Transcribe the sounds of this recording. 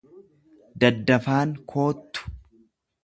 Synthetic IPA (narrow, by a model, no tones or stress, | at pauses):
d̪ɐd̪ːɐfaːŋkʰo̞ːt̪ːʊ̥